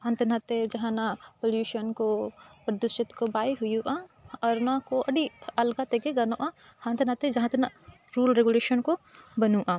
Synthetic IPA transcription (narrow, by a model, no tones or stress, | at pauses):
ɦãnt̪enãt̪ed͡ʒɐɦãnapoljuːʃənkopɾɐd̪ʊʃɪt̪kobaːiɦʊjuʔaɔɾnakoʔɐɽiɐlɡat̪ekeɡɐnoʔãhãnt̪enat̪ed͡ʒɐɦãt̪ena | ɾuːlɾeɡuleːʃənkobɐnũʔã